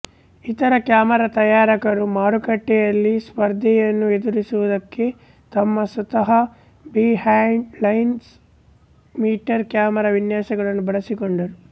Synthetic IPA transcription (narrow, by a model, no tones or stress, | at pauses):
it̪ɐɾɐkjaːmɐɾɐt̪ɐjaːɾɐkɐɾumaːɾukɐʈːɛjɐlːispɐɾd̪ʱɛjɐnːue̞d̪uɾisuʋud̪ɐkːe̞ | t̪ɐmːɐsut̪ɐɦɐ | bihaːɳlɐjns | miːʈɐɾkjaːmɐɾɐʋinjaːsɐɡɐɭɐnːubɐɭɐsikoɳɖɐɾu